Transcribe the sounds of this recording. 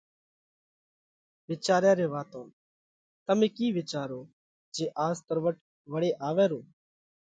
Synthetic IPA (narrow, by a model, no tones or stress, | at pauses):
ʋɪt͡ʃaːɾjaːɾeːʋaːt̪õː | t̪əmẽːkiːʋɪt͡ʃaːɾoː | d͡ʒeːʔaːst̪əɾʋəʈ | ʋəɽeːʔaːʋɛːɾoː